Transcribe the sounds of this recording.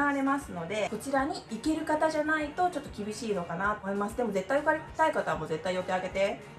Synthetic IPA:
aβaɾe̞masɨno̞d̪e̞ko̞t͡ɕiɾaɲ̟iike̞ɾɯ̟kat̪aʑanait̪o̞t͡ɕo̞t̪ːo̞kʲibʲiɕiːnokanat̪oːmo̞imasɨd̪e̞mo̞ze̞t̪ːaijokaɾet̪aikat̪aβmoze̞t̪ːaijo̞t̪e̞aɡe̞t̪e̞

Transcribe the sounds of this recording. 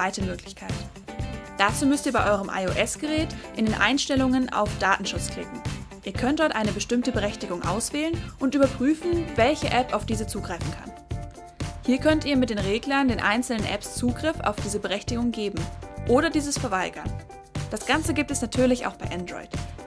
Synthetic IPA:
vaɪtəmøːklɪçkʰaɪt | d̥at͡suːmʏstiːɐbaɪʔɔʏʁəmʔa̰ɪoʔɛsɡ̥əʁɛːtʔɪndeːnʔa̰ɪnʃtɛlʊŋəna̰ʊfd̥aːtn̩ʃʊt͡skl̥ɪ̰kŋ̩ʔiːɐkʰœnt̚d̥ɔɐtʔaɪnəbəʃtɪmtəbəʁɛçtɪɡʊŋʔa̰ʊsv̥ɛːlənʔʊntʔyːbɐpʁ̥yːfn̩vɛlçə̰ʔɛpaʊfd̥iːzət͡suːɡʁaɪfn̩kʰa̰n | hiːɐkʰœntʔiːɐmɪt̚d̥eːnʁeːɡlɐndeːnʔa̰ɪnt͡sl̩nənʔɛ̰pst͡suːɡʁɪfa̰ʊfd̥iːzəbəʁɛçtɪɡʊŋɡeːbm̩ʔoːɾɐdiːzəsfɛɐvaɪɡɐ̰n | d̥asɡ̥ant͡səɡiːp̚tɛsnatʰyːɐlɪça̰ʊxb̥aɪʔandʁɔ̰ʏt

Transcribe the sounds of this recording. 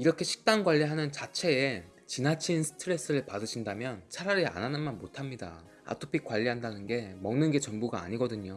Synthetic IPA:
iɾʌkʰe̞ɕʰi̥k̚t͈aŋɡwaʎːiɦanɯnt͡ɕat͡ɕʰe̞ː | t͡ɕinɦat͡ɕʰinsʰɯ̥tʰɯɾe̞s͈ɯɾɯɭpadɯɕʰindamjʌnt͡ɕʰaɾaɾia̰nanɯnmanmotʰamɲida̰ | a̰tʰopʰik̚k͈waʎːiɦandanɯnɡe̞mʌŋnɯnɡe̞t͡ɕʌŋbuɡa̰ːɲiɡʌdɯɲo

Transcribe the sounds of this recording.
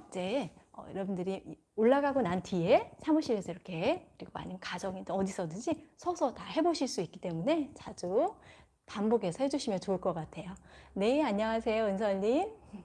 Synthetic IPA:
d͡ʑe̞ʌ̰jʌɾʌbundɯɾi | oɭːaɡaɡonantʰiesʰamuɕ͈ʰiɾe̞sʰʌiɾʌkʰe̞kɯɾiɡoa̰ɲinkad͡ʑʌŋidɯʌdisʰʌdɯd͡ʑisʰʌsʰʌtaɦe̞boɕʰiɭs͈uik͈it͈e̞mune̞t͡ɕad͡ʑu | panboɡe̞sʰʌhe̞d͡ʑuɕʰimjʌnt͡ɕoɯɭk͈ʌk͈atʰe̞jone̞aɲʌŋasʰe̞joɯnsʰʌʎːin

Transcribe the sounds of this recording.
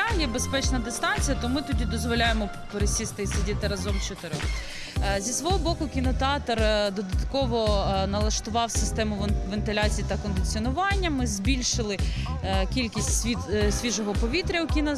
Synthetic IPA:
jɛbespɛt͡ʃnɐd̪ɪst̪ɑnʲt͡sʲijɐt̪ɔmɪt̪ɔdʲid̪ɔzʋɔlʲajemɔ | peɾesʲist̪ɪsʲɪdʲit̪ɪɾɐzɔmt͡ʃɔt̪ɪɾɪ | zʲisʋɔɦɔbɔkʊkʲinɔt̪eɑt̪ɔrd̪ɔd̪ɐt̪kɔʋɔnɐlˠɐʃt̪ʊʋɑwsɪst̪ɛmʊʋent̪ɪlʲɑt͡sʲijit̪ɐkɔnd̪ɪt͡sʲiɔnʊʋɑnʲːɐmɪzʲbʲilʲʃɪlˠɪkʲilʲkʲisʲtʲsʲisʲʋʲiʒɔɦɔpɔʋʲit̪ɾʲɐʊkʲinɐ

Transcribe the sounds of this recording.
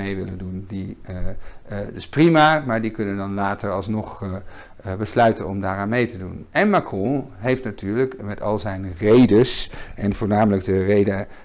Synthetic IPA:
ejʋɪləndundi | dɪsprimamaːɹdikɵnəndɑnlaːtəɹɑlˠsnɔχ | bəslœɥtənɔmdaːɹaːnmejtədunɛnmakrɔ̃ɦejftnatyːɹləkmɛtɑ̰lˠzɛjnrejdəsʔɛnvʊːɹnaːmələɡ̚dərejdə

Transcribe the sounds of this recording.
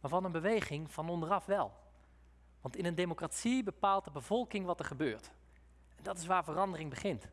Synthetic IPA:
maːɹvɑnənbəʋejχɪŋv̥ɑnɔndərɑfʋɛlˠ | ʋɑntɪnəndejmokratsibəpaːlˠtdəbəv̥ɔlˠkɪŋʋɑtəɹχəbøːɹt | ɛndɑtɪsʋaːɹvərɑndərɪŋbəχɪnt

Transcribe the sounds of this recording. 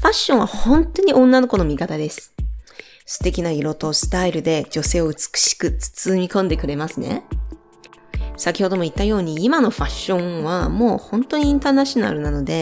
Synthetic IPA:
ɸaɕːõ̞ɰ̃βahõ̞nt̪o̞ɲ̟iʔõ̞nːano̞ko̞no̞mʲikat̪ad̪e̞sɨ̥ | sɨ̥t̪e̞kʲinaiɾo̞t̪o̞sɨ̥t̪aiɾɯ̟d̪e̞d͡ʑo̞se̞ːo̞ɯ̟t͡sɨ̥kɯ̟̥ɕi̥kɯ̟t͡sɨ̥t͡sɨmʲikõ̞nd̪e̞kɯ̟ɾe̞masɨne̞̰ | sakʲiho̞d̪o̞mo̞it̪ːajo̞ːɲ̟iːmano̞ɸaɕːõ̞βamo̞ːhõ̞nt̪oɲ̟iĩnt̪aːnaɕina̰ɾɯ̟nano̞d̪e̞

